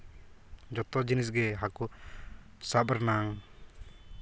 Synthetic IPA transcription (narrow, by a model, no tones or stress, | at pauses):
d͡ʒɔt̪ɔd͡ʒinisɡɛɦaku | sabəɾnaŋ